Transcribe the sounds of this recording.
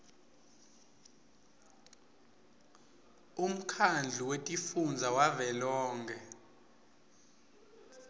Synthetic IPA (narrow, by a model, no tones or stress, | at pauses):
um̩kʰand͡ɮʱuwetʼifund͡zʱawavɛlɔːŋkʰɛ